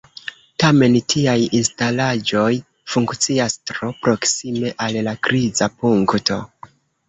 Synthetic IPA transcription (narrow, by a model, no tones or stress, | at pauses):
tame̞ntʰiajinstalad͡ʒo̞j | fuŋkt͡siastɾo̞pɾo̞ksime̞ʔallakɾizapuŋkto̞̰